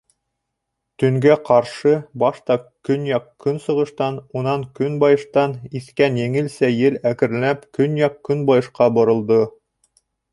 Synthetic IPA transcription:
t̪ɵ̆ŋɡæqʰɑɾʃɤbɑʃt̪ɑkɵnjɑqkɵnsɤ̆ʁɤ̆ʃt̪ɑnunɑŋkɵnbɑjɤ̆ʃt̪ɑniθkænjɘ̆ŋɘ̆lsæjɘlækɘ̆ɾlæpkɵnjɑqkɵnbɑjɤ̆ʃqɑbŏɾɤ̆lˠd̪ɤ

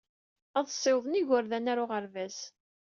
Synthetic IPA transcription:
æðˤsˤːɪwðˤniʝʊɾðænaɾʊʁəɾvæz

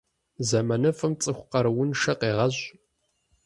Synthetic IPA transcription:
zɐmɐnɐfɨmt͡sʼɨxʷqɐɾwʊnʃɐqeːʁɐʑ

